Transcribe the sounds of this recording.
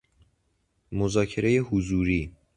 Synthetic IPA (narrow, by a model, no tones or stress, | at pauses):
mozɒːcʰe̞ɾejehuzuːɾiː